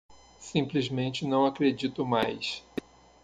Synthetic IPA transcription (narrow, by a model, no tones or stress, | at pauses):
sĩmplizmẽnt͡ʃɪnɐ̃w̃akɾed͡ʒit̪ʊmajs